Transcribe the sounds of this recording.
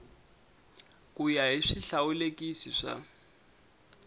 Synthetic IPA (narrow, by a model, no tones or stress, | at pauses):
kʼujaɦiʂiɬaulekʼisiʂa̰